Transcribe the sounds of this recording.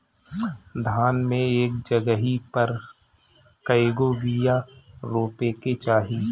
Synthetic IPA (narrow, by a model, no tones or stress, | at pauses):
d̪ʱaːnmẽeːk̚d͡ʒəɡəɦipəɾ | kəeɡoɡijaɾoːpeket͡ʃaːɦiː